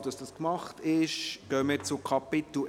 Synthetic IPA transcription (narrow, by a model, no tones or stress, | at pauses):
d̥ɑsd̥ɑskmɑχtɪʃɡ̥œːmɪɾt͡sʊkʰɑpɪt̪l̩